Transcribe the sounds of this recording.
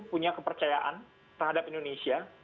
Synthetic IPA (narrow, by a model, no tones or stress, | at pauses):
puɲakəpərt͡ʃajaʔan | t̪ərhadapindonesia